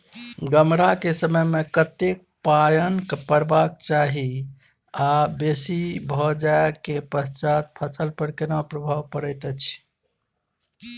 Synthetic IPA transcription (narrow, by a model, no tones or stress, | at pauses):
ɡəmɾakesəməjmekət̪ek̚pajənkpəɽbak̚t͡ʃaɦi | abesibʱɔd͡ʒaekepəst͡ʃat̪̚pʰəsəlpəɾkenapɾəbʱaʋpəɾəjt̪ət͡ʃʰ